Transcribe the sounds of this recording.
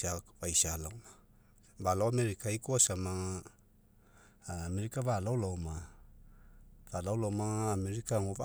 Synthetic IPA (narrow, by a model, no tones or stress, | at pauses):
avajsalawma | balawameɾikaikoasamaŋ | meɾikaβalawlawma | valawlawmaːmeɾikaŋova